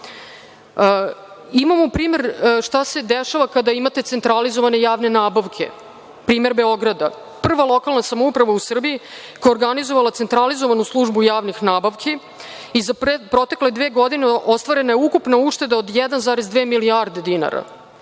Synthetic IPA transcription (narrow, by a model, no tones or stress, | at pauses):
imamopɾiːme̞ɾʂt̪ase̞d̪eʃaʋakad̪aimat̪e̞t̪se̞nt̪ɾalizoʋane̞jaːʋne̞naːbaʋkʰe̞̰ | pɾiːme̞ɾbe̞o̞ɡɾad̪a | pr̩ʋalˠo̞kalˠnasamoupɾaʋausr̩biji | kooɾɡanizoʋalˠat̪se̞nt̪ɾalizoʋanuslˠuʐbujaːʋnixnaːbaʋkʰi | izappɾo̞t̪e̞kle̞d̪ʋeːɡo̞d̪ineʔo̞st̪ʋaɾe̞najeukupnauʃt̪e̞d̪ao̞d̪jɛd̪anzaːɾezd̪ʋeːmiliaɾd̪ed̪ina̰ɾa̰